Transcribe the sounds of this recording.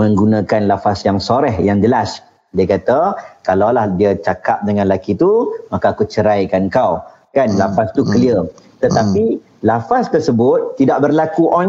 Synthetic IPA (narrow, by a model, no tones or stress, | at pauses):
mə̃ŋɡunãkanlafasjaŋsoɾɛhjaŋd͡ʒəlas | diakat̪akalawlahdiat͡ʃakap̚dəŋãnlakit̪umakaːkut͡ʃəɾajkankaw | kanlafast̪ukəliə | t̪ət̪api | lafast̪ərsəbʊt̪ːidaʔ̚bərlakuʔɔn